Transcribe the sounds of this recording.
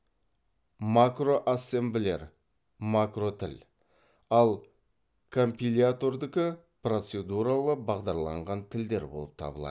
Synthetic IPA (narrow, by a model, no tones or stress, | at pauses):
makro̞ʔasːe̞mblʲe̞̰ɾ | makro̞t̪ʰɪl | ɑlˠ | kʰo̞mpʲilʲat̪o̞rd̪ɪkʲɪ | pro̞t̪se̞d̪uɾalˠəbɑʁd̪ɑɾlˠɑ̰ɴʁɑnt̪ʰɪld̪e̞ɾbo̞̰lˠəp̚t̪ʰɑ̰bəlˠɑ̰